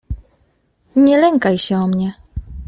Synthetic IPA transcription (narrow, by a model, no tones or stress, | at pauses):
ɲɛlɛŋkajɕɛɔmɲɛ